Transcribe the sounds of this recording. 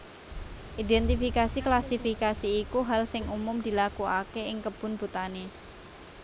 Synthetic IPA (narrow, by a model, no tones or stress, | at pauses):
ʔid̪ɛnt̪ifikasiklasifikasiːkuɦalsɪŋumʊmd̪̥i̤lakuakeɪŋkəb̥ʊ̤nb̥ṳt̪ane